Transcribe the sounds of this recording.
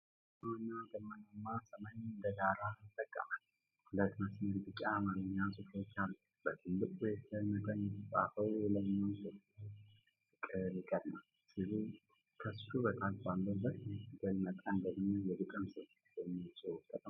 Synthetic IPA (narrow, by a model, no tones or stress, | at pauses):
awɲːaɡ̪əmːənamːasəməɲnd̪əɡaɾat̪ʼːəkʼːə̰mal | hulət̪məsməɾt̪ʼɨkʼamaɾɨɲːasʼɨfot͡ʃːalːu | bət̪ʰɨlːɨkʼwet̪ʰəmət̪ʼənːɛtʼa̰fəwɛlənːowsot̪ʰu | ɨkʼɨɾɪkʼəd̪naw | sɨlu | kʰəst̪ubət̪ʰalfalːəbət̪mɛtɨɡ̪ɨlmət̪ʼənd̪əɡnojɛb̪ɨkʼɨnsɨ | jɛmːisʼəwk̪ʼːət̪ʼ